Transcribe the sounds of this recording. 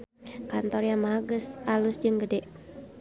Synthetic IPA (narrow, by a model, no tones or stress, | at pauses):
kant̪ɔrjamaɦaɡəsʔalʊsd͡ʒɨŋɡədɛʔ